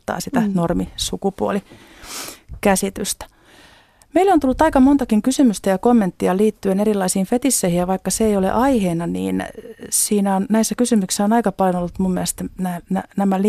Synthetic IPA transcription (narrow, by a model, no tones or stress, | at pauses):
t̪ːɑ̰ːsit̪ænormisukupuo̰li | kæsit̪yst̪æ̥ | meilːont̪ulːut̪ɑikɑmont̪ɑkiŋkysymyst̪æjɑkomːent̪ːiɑliːt̪ːyenerilːɑisiːnfet̪isːeihijjɑʋɑikːɑseeijolḛʔɑiheːnɑnḭːnsiːnæonnæisːækysymyksi̥sːæonɑikɑpɑljonolːut̪mumːiælest̪næːnænæmæli